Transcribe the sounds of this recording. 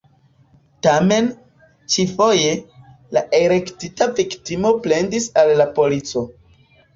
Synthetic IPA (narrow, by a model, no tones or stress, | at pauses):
tame̞n | t͡ʃifo̞je̞ | laʔeɾe̞ktitaviktimo̞ple̞ndisalːapo̞lit͡so̞